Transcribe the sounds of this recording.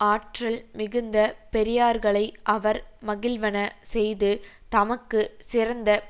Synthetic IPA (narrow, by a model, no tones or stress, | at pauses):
aːʈrɐlmɪɣɯnd̪ɐpɛɾɪjaːɾɣɐɭɐɪʔɐʋɐɾmɐɣɪlʋɐnɐsɛjðɯ | t̪ɐmɐkːɯsɪrɐnd̪ɐ